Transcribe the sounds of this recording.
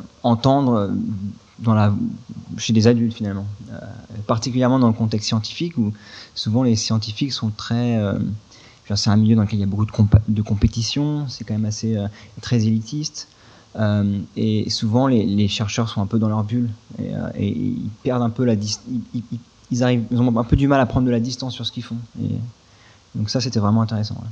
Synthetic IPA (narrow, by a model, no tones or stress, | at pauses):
ɑ̃t̪ɑ̃d̪ʁø | d̪ɑ̃la | ʃed̪ezad̪ylt̪finalmɑ̃ø̰paʁt̪ikʲyljɛʁmɑ̃d̪ɑ̃ləkɔ̃t̪ɛkst̪sjɑ̃t̪i̥fikusuvɑ̃lesjɑ̃t̪̬ifiksɔ̃t̪χɛø | d̪iʁsɛt̪ɛ̃miljød̪ɑ̃ləkɛliljabokud̪əkɔ̃pd̪əkɔ̃pet̪isjɔ̃sɛkɑ̃mɛmaseøt̪χɛzelit̪ʰist̪ | ømesuvɑ̃leleʃɛʁʃœʁsɔ̃ɛ̃pød̪ɑ̃lœʁbylḛø̰ḛḭlpɛʁd̪ɛ̃pølad̪ist̪iii | ilzaʁivilzɔ̃ɛ̃pød̪ymalapχɑ̃d̪ʁd̪əlad̪ist̪ɑ̃sːyʁsə̥kʲilfɔ̃ḛ | d̪ɔ̃ksaset̪ɛvʁɛmɑ̃ɛ̃t̪eʁesɑ̰̃vɛ̰